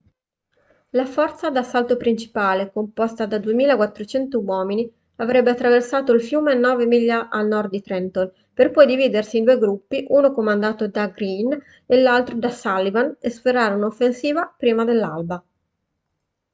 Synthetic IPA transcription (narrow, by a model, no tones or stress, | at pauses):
lafɔrt̪sad̪asːalt̪opɾint͡ʃi̥paːlekompɔst̪ad̪ad̪uemiːlakwat̪ːɾot͡ʃɛnt̪owɔːmini | avɾɛbːeat̪ːɾaversaːt̪oilfjuːmeanːɔːvemiʎːaʔalnɔrd̪̚d̪it̪ɾɛnt̪ol | perpɔjd̪iviːd̪ersiːnd̪ueɡɾupːiʔuːnokomand̪aːt̪od̪aɡɾin | elːalt̪ɾod̪asalːivanespeɾaːɾeunofːensiːvapɾiːmad̪elːalba